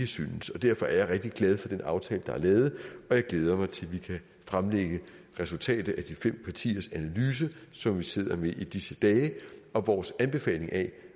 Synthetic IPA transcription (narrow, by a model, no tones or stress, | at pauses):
əsynsɒ̽d̥æɐ̰fɒ̽æɐjaɪʁɛɡ̥̚d̥iɡ̥lɛð̞ˠfɒ̽d̥enɑ̈ʊt͡sʰɛːləd̥ɑ̈æɐlɛːð̞̩ˠɒ̽jɑ̈ɪɡ̥leːð̞ˠɐmɑ̈ɪt͡sʰe̝lʋikʰæ | fʁamleɡ̥ə | ʁɛsult͡sʰɛ̰ːd̥ð̩ˠæd̥ifem̰pʰɑ̈t͡sʰḭːɐsænælyːs̬əsɒ̽mʋise̝ð̞̰ˠɐmeʔid̥isəd̥ɛːɒ̽ʋɒːsænb̥e̝fɛ̰ːle̝ŋæ